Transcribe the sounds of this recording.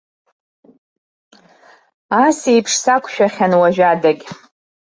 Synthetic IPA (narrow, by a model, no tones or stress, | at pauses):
asijpʰʂsakʷʰʃᶣaχʲanwaʒᶣadakʲʼ